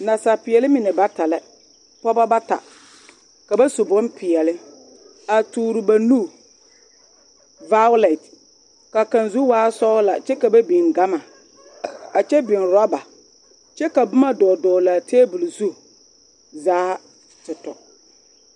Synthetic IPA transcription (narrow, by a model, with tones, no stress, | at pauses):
na˨sa˨pɪ˨ɛ˨lɪ˦mɪ˨nɛ˨ba˦ta˨lɛ˦ | pɔ˦ba˦ba˦ta̰˨ | ka˨ba˦su˨bɔ˦npʰɪ˨ɛ˨lɪ˦ | a˨tuː˨ɾʊ˨ba˨nu˦˨ | va˦wlɛ˨t | ka˨ka˨nzu˦waː˦sɔ˦la̰˨t͡ʃɛ˦ka˨ba˦bi˨ŋɡa˦ma˨ | a˨t͡ʃɛ˦bɪ˨nɾɔ˦ba˨ | t͡ʃɛ˦ka˨bʊ˦ma˦dɔː˨dɔː˨la˨teː˦bu˨lzu˦ | zaː˦ | tɪ˨tɔ̰˨